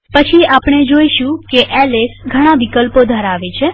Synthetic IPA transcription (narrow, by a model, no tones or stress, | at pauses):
pət͡ʃʰiapɳ̃ed͡ʒoiʃũkeʔɛlesɡʱəɽ̃ãʋikəlpod̪ʱəɾaʋet͡ʃʰe